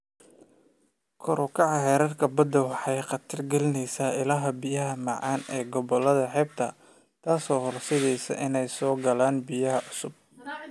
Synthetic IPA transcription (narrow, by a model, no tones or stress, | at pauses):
kʰɔɾʊkʰɑʕɑhɛːɾɐrkʰɐbɐd̪ɐwɑħɑjqɑt̪ʰɪrɡɛlɪnɛjsaːɪlɐɦɐbijɐɦɐmɑʕɑ̰ːnɛːɡɔβɔlɐðɐħɛːb̚t̪ʰɐ | t̪ʰaːsɔːhɔrsɛðɛjsɐ̰ʔɪnɛjsɔːɡɐlaːnbijɐɦɐʔʊsʊb̚